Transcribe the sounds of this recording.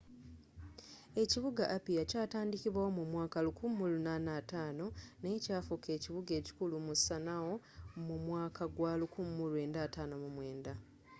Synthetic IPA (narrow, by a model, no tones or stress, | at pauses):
e̞ciβuɡaʔːpijacaːtaːndiciβwawo̞mumwaːkalukumːulunaːnaːtaːno̞ne̞caːfuke̞ːciβuɡe̞ːci̥kulumusanawo̞ | mumwaːkʰaɡwalukumːulue̞ːndaːtaːnomumwe̞ːnda